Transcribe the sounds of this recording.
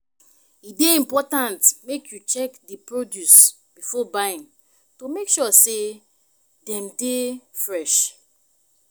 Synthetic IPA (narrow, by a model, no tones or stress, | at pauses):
ideĩmpɔtãntmekʰjut͡ʃɛkdipɹodjus | b̥ifɔbaĩn | tomekʃɔse | dɛ̃mdefɹɛʃ